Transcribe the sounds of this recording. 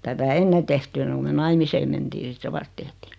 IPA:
tætæ enːe tehty enːeŋ ku me nɑimiseːm mentiː sit se ʋɑst tehtiː

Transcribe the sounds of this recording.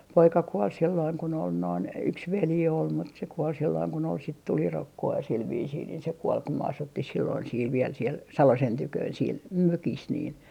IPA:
poikɑ kuol silːoiŋ kun ol noin yks ʋeli ol mut se kuol silːoiŋ kun ol sit tulirokːoɑ sil ʋiːsiːn niːn se kuol kum m ɑsutːih silːoin siːl ʋiel siel sɑlosen tykøːn siel møkis niːn

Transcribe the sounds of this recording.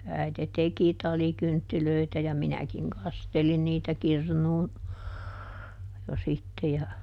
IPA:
æite teki tɑlikyntːiløitæ jɑ minækiŋ kɑstelin niːtæ kirnuːn jo sitːe jɑ

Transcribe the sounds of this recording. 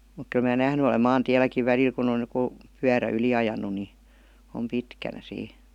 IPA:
muk kyl mæː næhny olem mɑːntiælˑækiʋ ʋælil kun oj jə̆ku pyæræ yli ɑjɑnu ni om pitkænæ siː

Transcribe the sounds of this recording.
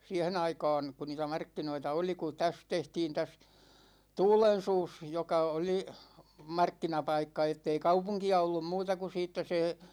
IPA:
siæhen ɑikɑ̝ːn ku niːtæ mɑrkːinoitɑ oli ku tæs tehtiːn tæs tuːlen̞suːs jokɑ oli mɑrkːinɑpɑikːɑ etːei kɑupuŋkiɑ olːum muːtɑ ku siːtːæ se

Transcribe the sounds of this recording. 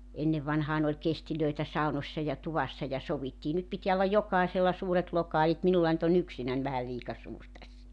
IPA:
enːeʋːɑnhɑːn olʲ kestiløi̞tæ sɑu̞nosːɑ jɑ tuʋɑsːɑ jɑ soʋitːiː nyt pitiæ olːɑj jokɑˑiselːɑ suːret lokɑːlit minulːɑ ny̆t on yksinæn ʋæhæ liːkɑ suːr tæsːæ

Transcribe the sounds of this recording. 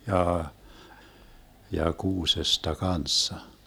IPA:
jɑː jɑ kuːsestɑ kɑnsːɑ

